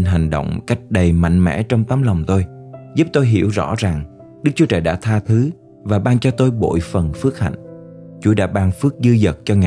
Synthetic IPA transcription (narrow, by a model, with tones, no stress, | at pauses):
nɦa˨˩ŋ̟ɗo̰˧˨wŋ͡mka˦˥jk̟̚ɗə˨˩jma̰˧˨jŋ̟mɛ̰˧˥t͡ɕɔ˧wŋ͡mt̪aː˨˦mla˨˩wŋ͡mt̪o˧jzu˦˥p̚t̪o˧jɦḭ˧˩əwzɔ̰˧˥za˨˩ŋ | ɗɨ˦˥k̚t͡ɕu˦t͡ɕəː˨˩jɗa̰ː˧˥t̪ʰaː˧t̪ʰɨ˨˦ | vaː˨˩ɓaː˧ŋt͡ɕɔ˧t̪o˧jɓo̰˧˨jfə˨˩nfɨ˦˥ək̚ha̰˧˨jŋ̟ | t͡ɕu˧˦ɗa̰ː˧˥ɓaː˧ŋfɨ˦˥ək̚zɨ˧zə˨˩t̚t͡ɕɔ˧ŋa˨